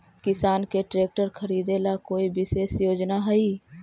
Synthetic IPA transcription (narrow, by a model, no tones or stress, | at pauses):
kɪsaːnkeʈɾeːk̚ʈəɾkʰəɾiːd̪elakoːibɪseːsjoːd͡ʒnaɦɛiː